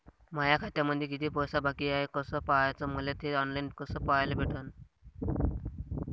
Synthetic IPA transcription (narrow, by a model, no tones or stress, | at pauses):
majakʰat̪jaməd̪ʱjekit̪ʰiːpɔjsabakiaekəsəpaajt͡səməlet̪ʰeɔnlainkəsəːpaajlebʱeʈʰən